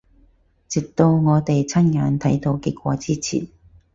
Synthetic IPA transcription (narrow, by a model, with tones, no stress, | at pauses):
t͡si˨˩k̚t̪o˧wŋɔː˨˧t̪e˨jt͡sʰɐ˥nŋaː˨˧nt̪ʰɐ˨˥jt̪o˧˥wki˧k̚kʷɔː˨˧t͡siː˥t͡sʰḭː˨˩n